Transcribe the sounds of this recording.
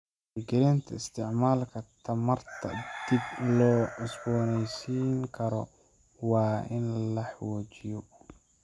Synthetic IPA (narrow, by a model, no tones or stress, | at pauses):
ɪɡɪɾɛːnt̪ʰɐɪst̪ʰɪʕmaːlkʰɐt̪ʰɐmɐrt̪ʰɐ̰d̪̥iblɔːʔɪsbɔːnɛjsiːŋkʰɐɾɔ | wɑːʔɪnlɐħwɔːt͡ʃɪjɔ